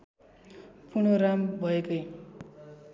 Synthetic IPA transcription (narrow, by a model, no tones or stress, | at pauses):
pʰunorambʱʌekʌj